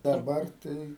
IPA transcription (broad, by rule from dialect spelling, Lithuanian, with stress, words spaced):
dɐˈbɐr ˈtɐɪ